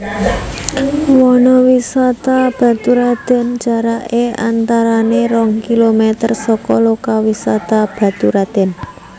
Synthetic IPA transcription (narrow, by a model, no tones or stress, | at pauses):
wɔnɔwisat̪ab̥a̤t̪uɾad̪̥ɛ̤nt͡ʃaɾaʔea̰nt̪aɾaneɾɔŋkilomet̪ərsɔkɔlɔkawisat̪ab̥a̤t̪uɾad̪̥ɛ̤n